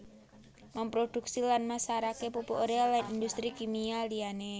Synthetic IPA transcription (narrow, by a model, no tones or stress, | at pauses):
mampɾod̥uk̚silanmasaɾakepupoʔoɾealanind̪ust̪ɾikimialiane